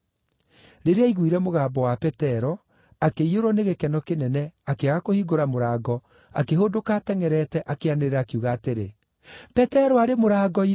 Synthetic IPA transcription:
ɾeɾeaiɣwiɾɛmoɣaːbɔwapɛtɛɾɔ | akeioɾɔneɣekɛnɔkenɛnɛakeaɣakohiɡoɾamoɾaːɡɔ | a̰keɦodokaːtɛŋɛɾɛtɛʔakeaneɾeɾaːkiuɣaːteɾe | pɛtɛɾɔaɾemoɾaːɡɔi

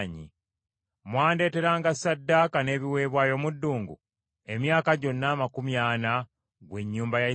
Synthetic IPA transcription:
ɲḭ | mwaːnde̞ːte̞ɾaːŋɡasadːaːkane̞ːβiwe̞ːβwaːjo̞ːmudːuːŋɡṵ | e̞mjaːkaɟo̞nːaːmakumjaːna | ɡwe̞ɲːuːmbaja

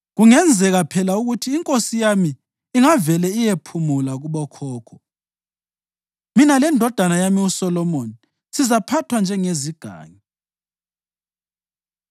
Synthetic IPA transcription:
ɣuŋɛnd͡zʱɛɣapʰɛlauɣutʰiːŋkʼosijamiː | ŋavɛlɛijepʰumulaɣuβɔkʰɔːkʰɔ̥ | minalɛndʱɔd̥ʱanajamiusɔlɔmoni | sizapʰatʰwand͡ʒʱɛŋeziɡ̥ʱa̰ːŋi

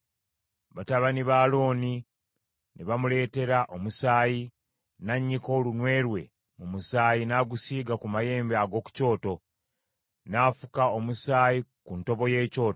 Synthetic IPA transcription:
βataβaniβaːloːni | neβamule̞ːte̞ɾaʔomusaːji | naɲːiko̞ːlunwe̞ːɾwe̞ | mumusaːjinaːɡusiːɡakumaje̞ːmbeaɡo̞ːku̥co̞ːto̞ | naːfu̥kao̞musaːjikunto̞βo̞je̞ːco̞ːto

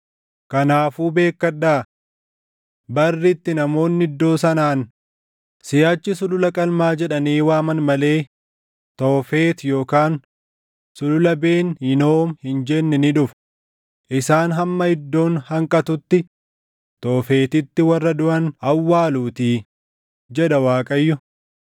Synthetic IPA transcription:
kɐnaːfuːbe̞ːkːɐᶑaː | bɐrːɪt̪ːɪnɐmo̞ːnːɪd̪ːo̞ːsɐnaːn | sɪjaːt͡ʃːɪsʊlʊlɐkʼɐlmaːd͡ʒɛᶑɐniːwaːmɐnmɐle̞ː | t̪oːfe̞ːt̪jo̞ːkaːn | sʊlʊlɐbe̞ːnhɪno̞ːmhɪnd͡ʒɛnːɪnɪᶑʊf | ʔɪsaːnɦɐmːɐhɪd̪ːo̞ːnhɐŋkʼɐt̪ʊt̪ːɪ | t̪oːfe̞ːt̪ɪt̪ːɪwɐrːɐd̪ʊʔɐnɐwːaːluːt̪iː | d͡ʒɛᶑɐwaːkʼɐjːʊ

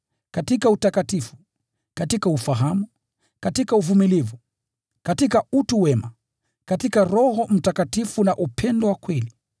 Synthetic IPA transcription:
katikautakatifu̥ | katikaufaɦamu | katikauvumilivu | katikautuwɛma | katikaɾɔhɔm̩takatifunaʔupʰɛndɔwakwɛli

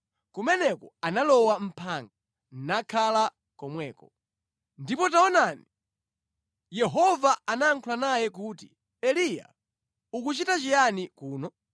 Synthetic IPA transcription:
kumɛnɛkɔanalɔwam̩pʰaŋɡa | n̩nakʰala | kɔmwɛːkɔ | ndipɔtaɔnani | jɛɦɔvaanaːŋkʰulanajɛk̬uːtḭ | ɛlija̰ | ukut͡ʃitat͡ʃijanikuːnɔ

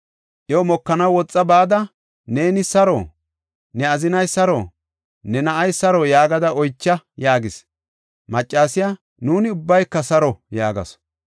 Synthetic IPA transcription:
ʔjɔmɔkːɐnɐwwɔt͡sʼːɐbaːd̪ɐ | ne̞ːnɪsɐɾo̰ː | nɛɐzɪnɐjsɐɾoː | nɛnɐʔɐjsɐɾɔjaːɡɐd̪ɐɔjt͡ʃːɐjaːɡɪs | mɐt͡ʃʼːaːsɪja | nuːnɪʊbːɐjkːɐsɐɾɔjaːɡɐ̰s

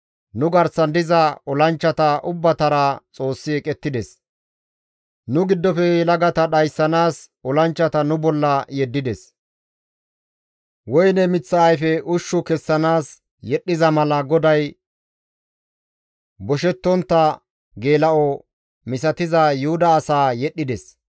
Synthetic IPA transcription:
nʊɡɐɾsɐnd̪ɪzɐɔlɐnt͡ʃːɐt̪ɐʔʊbːɐt̪ɐɾɐt͡sʼo̞ːsːɪɛkʼɛt̪ːɪd̪ɛs | nʊɡɪd̪ːɔfɛlɐɡɐt̪ɐɗɐjsːɐnaːs | ɔlɐnt͡ʃːɐt̪ɐnʊbɔlːɐjɛd̪ːɪd̪ɛs | wɔjnɛmɪt͡sːɐːjfɛʔʊʃːʊkɛsːɐnaːs | jɛɗːɪzɐmɐlɐɡɔd̪ɐj | bɔʃɛt̪ːɔnt̪ːɐ | ɡe̞ːlɐʔɔ | mɪs̬ɐt̪ɪzɐjʊhʊd̪ɐːsaːjɛɗːɪd̪ɛs

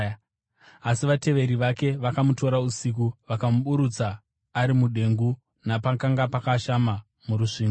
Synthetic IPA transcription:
asiʋate̞ʋe̞ɾiʋake̞ʋakamuto̞ɾausik̬uʋakamuɓuɾut͡saː | ɾimuɗe̞ŋɡu | napakaŋɡapakaʃama | muɾuʂiːŋɡo

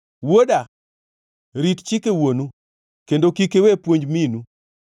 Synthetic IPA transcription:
woda | ɾitt͡ʃɪkewonu | kendokikewepwoɲd͡ʒminu

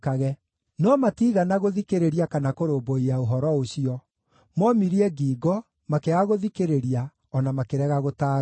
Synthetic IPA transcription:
kaɣɛ | nɔmatiːɣanaɣoðikeɾeɾiakanakoɾoːboiaoɦɔɾɔoɕiɔ | mɔmiɾiɛɡiːɡɔ | makeaɣoðikeɾeɾia | ɔnamakeɾɛɣaɣotaː

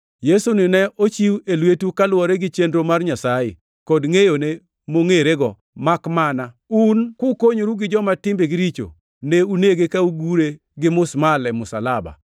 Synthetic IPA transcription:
jesunɪnɛʔot͡ʃiwelwetukalwɔɾɛɡɪt͡ʃendɾomarɲasajḛ | kɔdŋejone | moŋeɾeɡɔ̰ | makmana | unkʊkoɲoɾuɡɪd͡ʒɔmatɪmbeɡɪɾit͡ʃo̰ | neuneɡekauɡuɾe | ɡɪmʊsmalɛmʊsa̰laba̰

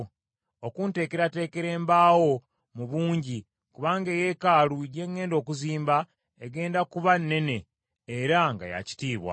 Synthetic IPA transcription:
okuːnte̞ːke̞ɾate̞ːke̞ɾe̞ːmbaːwo̞ | muβuːɲɟi | kuβaːŋɡe̞je̞kaːluiɟe̞ŋːe̞ːndo̞ːkuziːmba | eɡe̞ːndakuβanːe̞ne̞ː | ɾaŋɡa̰ja̰ci̥tiːβwa̰

